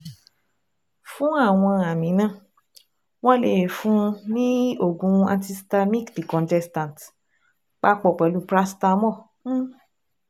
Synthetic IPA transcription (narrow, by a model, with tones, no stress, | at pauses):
fũ˦a˦˨w̃ɔ̃˧a˨mĩ˨˦nã˦˨ | w̃ɔ̃˦le˨he˨fũ˦nĩ˦o˦˨ɡũ˨˧ã̰˧ti˧sta˧mi˦kdi˨kɔ̃˨ntɛ˧stã˨t | k͡pa˦k͡pɔ˨k͡pɛ˨˦lu˦pɾa˦sta˧˦mɔ̃˦˨˦